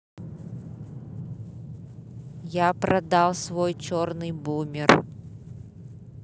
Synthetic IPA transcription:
japɾɐd̪alˠsvojt͡ɕornɨjbumʲɪr

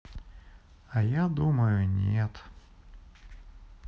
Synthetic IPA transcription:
ɐjad̪uməjʊnʲet̪

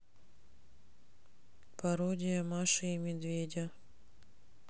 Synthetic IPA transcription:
pɐɾodʲɪjəmaʂɨimʲɪd̪vʲedʲɐ

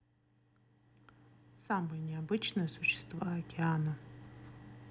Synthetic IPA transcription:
sambɨlʲnʲiabɨt͡ʃʰnɨjsʊɕːɪ̥st̪vaakʲʰʼeanɐ

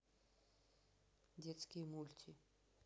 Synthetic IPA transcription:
d̪ʲet͡skiːmult̪ʰi

